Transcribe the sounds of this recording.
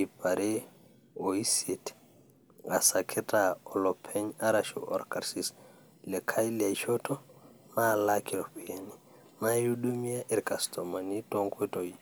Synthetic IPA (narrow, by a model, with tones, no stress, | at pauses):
ipa˨ɾe˦ | oi˦se˨t | a̰˨sa˨kʰe˦tʼaɔ˨lɔpʰɛ˦ɲa˦ɾaʃṵʔɔ̰˨ɾkaɾsis | lɛkʰa˦jla˨iʃɔtʰɔma˦lakʰiɔ˨piani | na˦juɗu˦mi˦a˦ʔɛ˨ɾka˨stʰɔma˨ni˦tɔŋkʰe˦to˨i